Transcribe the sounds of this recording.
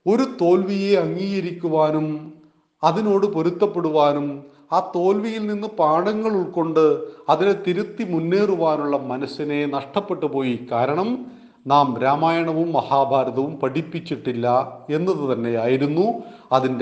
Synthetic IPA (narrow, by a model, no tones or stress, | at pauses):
o̞ɾut̪o̞ːlʋije̞ɐŋːiːɣɐɾikʲːuʋaːnum | ɐðino̞ːɽɨpo̞ɾut̪ːɐpːe̞ɽuʋaːnum | aːt̪o̞ːlʋijilninːɨpaːɽɐŋːɐɭuɭko̞ɳɖɨɐðilet̪iɾut̪ːimunːeːruʋaːnuɭːɐmɐnɐsine̞nɐʂʈɐpːe̞ʈːupo̞ːjikaːɾɐɳɐm | naːmɾaːmaːjɐɳɐʋumːɐhaːbʱaːɾɐðɐʋumpɐʈipːit͡ɕːiʈːilːɐe̞nːɐðɨt̪ɐnːe̞jaːjiɾunːuɐðind